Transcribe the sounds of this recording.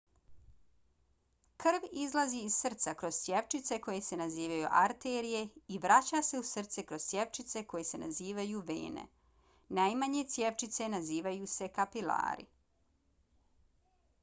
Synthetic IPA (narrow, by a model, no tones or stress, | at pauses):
kr̩ʋizlˠaziːzsr̩t̪sakɾoz̥t̪sjeʋt͡ʃit̪se̞ko̞jese̞naziːʋajuʔaɾt̪eːɾije̞iʋɾat͡ɕase̞usr̩t̪sekɾoz̥tsjeʋt͡ʃit̪se̞ko̞jese̞na̰ziːʋajuʋḛːnḛ | najmaɲe̞t̪sjeʋt͡ʃit̪se̞naziːʋajuːse̞kapila̰ːɾḭ